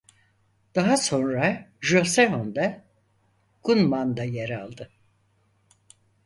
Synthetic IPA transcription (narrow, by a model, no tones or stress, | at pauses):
d̪̥aɦaso̞nɾaʒosevond̪a | ɡ̥unmand̪ajeɾalˠd̪ɯ